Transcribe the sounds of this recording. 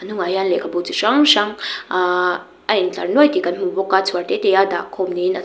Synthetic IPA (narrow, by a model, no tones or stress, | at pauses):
anuŋajanlekʰabut͡sit͡ʃaŋʃaŋa | ʔajŋt͡ɬa̰ɾnuajt̪ikanmubokat͡sʰaɾtet̪ejada̰kʰomnina